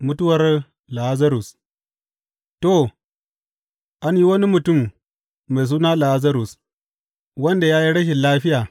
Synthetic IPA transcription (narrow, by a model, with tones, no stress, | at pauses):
mʊ˦tu˦wɐ˨r | la˨ha˦zɐ˦ɾu˨s | to˦˨ | ʔa˦nji˦wɐ˦ni˦mu˨tu˦˨mː | a˨js̬uː˦na˦la˨a˦za˦ɾu˨s | wɐ˦nda˨jaː˦ji˦ɽɐ˦ʃ̬e˨laː˦ɸɪ˦jaː˨